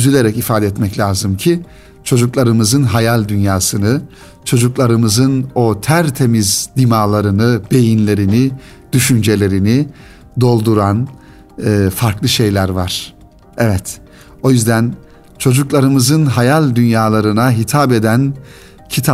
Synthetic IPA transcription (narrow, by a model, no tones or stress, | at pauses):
yzylʲe̞ɾɛcifaːd̪ɛt̪mɛclʲaːzɯmcʰi | t͡ʃʰo̞d͡ʒuklˠaɾɯmɯzɯnɦajalʲd̪ynjaːsɯnɯ | t͡ʃʰo̞d͡ʒuklˠaɾɯmɯzɯno̞t̪ʰæɾt̪ʰe̞mizd̪imaːlˠaɾɯnɯb̥e̞jinlʲe̞ɾini | d̪̥yʃynd͡ʒe̞lʲe̞ɾini | d̪o̞lˠd̪uɾanː | faɾklˠɯʃe̞jlʲæɾvaɾ̥ | ɛvɛt̪ | o̞jyzd̪æn | t͡ʃʰo̞d͡ʒuklˠaɾɯmɯzɯnɦajalʲd̪ynjaːlˠaɾɯnaɦit̪ʰabe̞d̪æn | cʰit̪ʰa